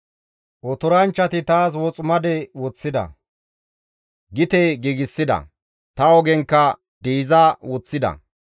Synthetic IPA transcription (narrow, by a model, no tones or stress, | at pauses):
ʔɔt̪ɔɾɐnt͡ʃːɐt̪ɪt̪aːs̬wɔt͡sʼʊmɐd̪ɛwɔt͡sːɪd̪ɐ̰ | ɡɪt̪eːɡiːɡɪsːɪd̪ɐ̰ | t̪ɐɔɡɛŋkːɐ | d̪iːzawɔt͡sːɪd̪ɐ̰